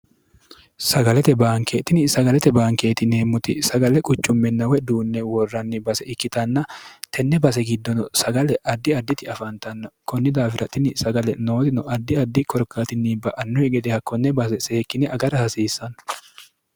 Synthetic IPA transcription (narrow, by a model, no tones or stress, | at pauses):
sɐɡɐlɛt̪ɛbaːŋkeːt̪ːɪnɪsɐɡɐlɛt̪ɛbaːŋke̞ːt̪ɪneːmːʊt̪ɪ̰sɐɡɐlɛkʼʊt͡ʃːʊmːɛnːɐwɛd̪uːnːɛwɔrːɐnːɪbɐsɛʔɪkːɪt̪ɐnːɐt̪ʰɛnːɛbɐs̬ɛɡɪd̪ːɔnɔsɐɡɐlɛʔɐd̪ːɪɐd̪ːɪt̪ɪɐfɐnt̪ɐnːɐkɔnːɪd̪aːfɪɾʔɐt̪ːɪnɪsɐɡɐlɛno̞ːt̪ɪnɔʔɐd̪ːɪɐd̪ːɪkɔɾkːat̪ɪnːiːbɐʔɐnːɔhɛɡɛd̪ɛhɐkːɔnːɛbɐsɛseːkːɪnɛɐɡɐɾɐhɐsiːsːɐn